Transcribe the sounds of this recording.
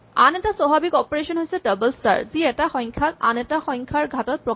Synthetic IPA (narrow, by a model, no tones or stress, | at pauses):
a̰nɛtasɔɦabikɔpoɹesɔnɦojsɛdʌbəlsa̰ɹziɛtaxɔjŋkʰata̰nɛtaxɔŋkʰaɹɡʱatɔt̚pɹɔ